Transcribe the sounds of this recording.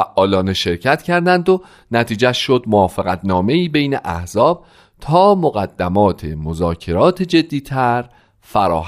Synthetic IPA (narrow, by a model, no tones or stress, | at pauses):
æʔɒːlɒːneʃe̞ɾcʰæt̪cʰæɾd̪ænd̪o̞ | næt̪ʰiːd͡ʒæʃʃo̞d̪moɒːfeɣæt̪ʰnɒːme̞iːbe̞jneʔæhzɒːb̥̚ | t̪ʰɒːmoɣæd̪̥ːæmɒːt̪ʰemo̞zɒːcʰe̞ɾɒːt̪ʰed͡ʒe̞d̪ːiːt̪ʰæɾ | fæɾɒ̰ːh